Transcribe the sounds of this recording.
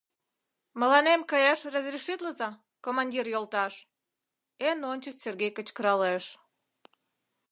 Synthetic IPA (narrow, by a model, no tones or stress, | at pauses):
mə̆lɑnemkɑjɑʃrɑzrʲiʃit̪ləzɑ | komɑnʲdʲirjolt̪ɑʃ | enonʲt͡ɕəserɣejkət͡ɕkəɾɑleʃ